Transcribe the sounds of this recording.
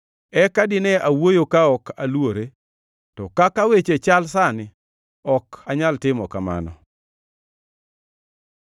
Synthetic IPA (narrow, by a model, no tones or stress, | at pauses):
ɛkadɪnɛawojokaɔkalwoɾe | tɔkakawet͡ʃet͡ʃalsanɪ | ɔkaɲaltɪmɔkama̰nɔ̰